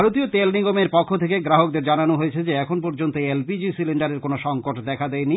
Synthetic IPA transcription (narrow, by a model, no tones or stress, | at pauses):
aɾot̪iot̪elniɡomeɾpɔkʰːot̪ʰekeɡɾaɦokd̪eɾd͡ʑananoɦojet͡ɕʰed͡ʑeɛkʰonpɔɾd͡ʑont̪oelpid͡ʑisiliɳɖaɾeɾkonoʃɔŋkoʈd̪ɛkʰad̪ɛeni